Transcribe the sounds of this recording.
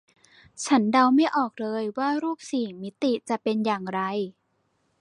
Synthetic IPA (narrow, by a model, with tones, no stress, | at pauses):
t͡ɕʰa˦˥nda˧wma˥˩jʔɔː˨˩k̚lɤː˧jwaː˥˩ɾuː˥˩p̚siː˨˩mi˦˥t̪i˨˩t͡ɕa˨˩pe˧njaː˨˩ŋɾa˧j